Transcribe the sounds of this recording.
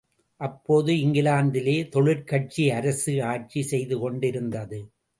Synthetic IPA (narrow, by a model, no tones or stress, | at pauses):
ʔɐpːoːðɯɪŋɡɪlaːnd̪ɪleːt̪ɔɭɪɾkɐʈ̚t͡ʃiɐɾɐsɯaːʈ̚t͡ʃisɛjðɯkɔɳɖɪɾɯnd̪ɐðɯ